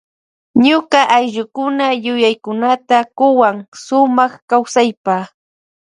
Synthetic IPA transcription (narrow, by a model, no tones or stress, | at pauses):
ɲʊkaʔajʎʊkʊnajʊjajkʊnat̪akʊwaŋsʊmɑχkawsajpaː